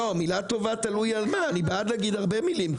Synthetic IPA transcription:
omilat̪o̞vat̪alujalmaːnibead̪laɡid̪haʁbemilim

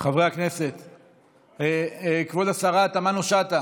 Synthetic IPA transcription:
χavʁeakne̞se̞t̪ | eekvod̪asaʁat̪amanoʃat̪a

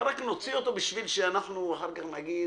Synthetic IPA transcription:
ɾakno̞t͡sio̞t̪o̞biʃvilʃeanaχnuaħaɾkaχnaɡi

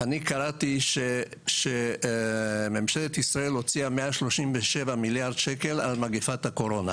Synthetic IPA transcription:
anikaʁat̪iʃe | ʃe | memʃelet̪isʁaelo̞t͡siameaʃlo̞ʃimveʃevamiljaʁd̪ʃeke̞lalmaɡifat̪hako̞ɾo̞na

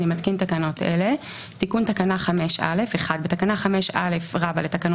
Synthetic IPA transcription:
nimatkintakano̞tʔḛle̞ | tikuntakanaχameʃa̰le̞feχad̪betakanaχame̞ʃʔa̰le̞fʁabaletakano

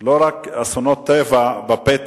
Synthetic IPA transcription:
loɾakasonot̪ːevabapet̪

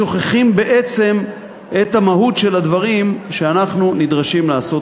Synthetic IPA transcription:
o̞χeχimbe̞ʔet͡se̞m | et̪hamaɦutʃe̞lad̪vaʁimʃeanaχnunidʁaʃimlaːso̞t

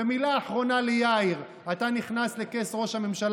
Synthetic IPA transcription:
emilaːħʁo̞nalejaiʁ | at̪aniχnasle̞ke̞sʁo̞ʃhame̞mʃal

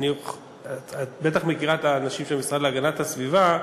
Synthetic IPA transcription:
nio | abe̞t̪̬aχmekiʁataːnaʃimʃemisʁad̪leaɡanathasviva

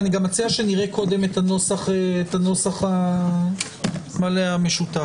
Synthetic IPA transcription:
niɡamat͡siaʃeniʁekʰo̞de̞metano̞saχeːtano̞saχa | maleame̞ʃuta

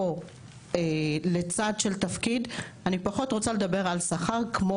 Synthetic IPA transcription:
o | elet͡sadʃelt̪afkidanipaχo̞tʁo̞t͡saled̪abe̞ʁalsaχaʁkmo

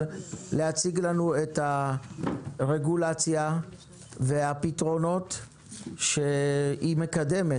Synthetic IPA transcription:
lehat͡siɡlanue̞tha | ʁe̞ɡulat͡sja | veapitʁo̞no̞t | ʃeime̞kad̪e̞me

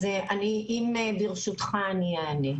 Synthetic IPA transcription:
zeaniʔimebiʁʃut̪χaːniaːne

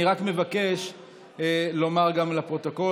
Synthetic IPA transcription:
iʁakme̞vake̞ʃ | lo̞maʁɡamlapʁo̞t̪oko̞

